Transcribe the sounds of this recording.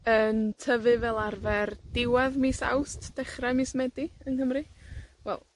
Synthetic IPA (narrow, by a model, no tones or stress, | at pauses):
əntʰəvɨvɛlˠarvɛrd̥ɪwaðmisa̰wstʰd̥ɛχramismɛdiənhəmrɨwɛ̰lˠ